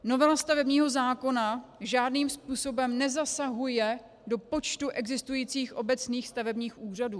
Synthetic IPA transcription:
no̞vɛlast̪avɛbɲiːɦo̞zaːko̞naʒaːdniːmspuːso̞bɛmnɛzasaɦujɛ | do̞po̞t͡ʃt̪uʔɛɡzɪst̪ujiːt͡siːxʔo̞bɛt͡sniːxst̪avɛbɲiːxʔuːr̝aduː

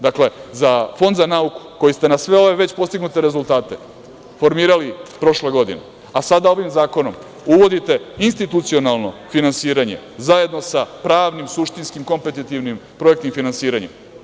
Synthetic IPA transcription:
d̪akle̞zafo̞nd̪zanauku̥ko̞jist̪e̞nasʋe̞o̞ʋe̞ʋe̞t͡ɕpo̞st̪iɡnut̪e̞ɾe̞zulˠt̪aːt̪e̞ | fo̞ɾmiːɾalipɾo̞ʃle̞ɡo̞d̪ḭne | asad̪ao̞ʋimzaːko̞no̞̰m | uʋo̞d̪it̪e̞inst̪it̪ut̪sio̞nalˠno̞̰finansiːɾaɲe̞̰zaje̞d̪no̞sapɾaːʋnimsuʃt̪inskimko̞mpet̪it̪iʋnimpɾo̞ekt̪imfinansiːɾaɲḛm

